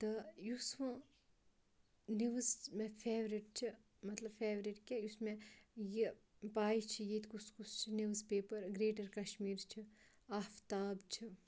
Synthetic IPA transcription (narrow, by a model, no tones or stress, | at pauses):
t̪ɐjusʋ | niʋzmepʰeːʋɾiʈt͡ʃʰi | mɐt̪lɐbfʰeːʋɾiʈkʲejusmẽji | paːit͡ʃʰijiːt̪kuskust͡ʃʰiniʋzpeːpɐɾɡɾeːʈɐɾkɐʃmiːɾt͡ʃʰi | aːft̪aːbt͡ʃʰi